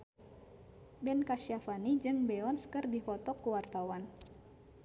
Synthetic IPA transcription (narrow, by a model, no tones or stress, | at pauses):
bɛnkaʃafanid͡ʒɨŋbɛɔnskɨrdifɔt̪ɔkəwart̪awan